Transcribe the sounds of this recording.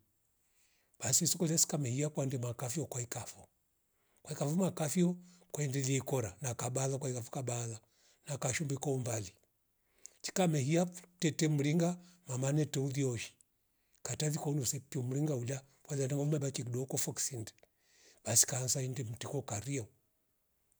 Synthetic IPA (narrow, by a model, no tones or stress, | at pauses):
b̥asiisɔkɔlasi̥kamɛhiakwandɛmakafiɔkwaikafɔ | kwaikafɔmakafiɔkaɛndɛliɛikɔɾanakaɓaðakwaikafɔ̥kabala | nakaʃumbɛkɔumbali | t͡ʃi̥kamɛhiatɛtɛmuliŋɡamamanɛtɛuðiɔʃi̥ | kataðikɔunusɛpiɔm̩liŋɡaula | fwaðanaŋɔumabakikiɗɔkɔfɔksindɛ̥ | b̥asi̥kansaindɛm̩tikɔkaɾiɔ